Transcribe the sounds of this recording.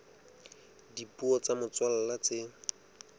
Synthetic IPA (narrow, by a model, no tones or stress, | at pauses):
dipuɔt͡samʊt͡swalalat͡sɪ